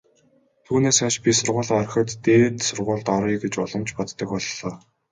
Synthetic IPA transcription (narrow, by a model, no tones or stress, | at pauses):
t̪ʰuːneːsaʃpʲisʊrʁʊːɮœɾ̆xə̆t̪ːeːt̪sʊrʁʊːɮt̪ɔɾiːɡet͡ɕʊɮə̆mt͡ɕpɔt̪ːə̆kʊɮɮɔː